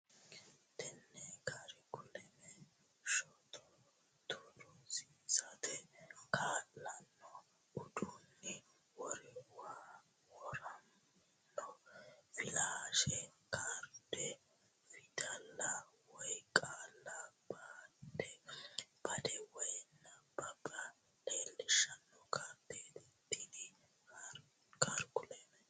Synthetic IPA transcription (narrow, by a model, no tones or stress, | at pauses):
t̪ɛnːɛkʰaɾɛkʊlɛmɛ | ʃɔt̪ʰɔ | t̪ʰʊd̪ɔsisɐt̪ɛkaːlːɐnːɔ | ʊd̪unːɪ | wɔɾɛwaː | wɔɾɐnː | ɔfɪlaːʃɛkʰaːɾd̪ɛ | fɪt̪ɐlːɐwɔjkʼaːlːɐb̥aːd̪ɛb̥ɐd̪ɛwɔjnːɐb̥ɐbɐ | leːlːɪʃɐnːɔkaːd̪et̪ɪt̪ːid̪ɪ | kaɾɡʊleːnɛ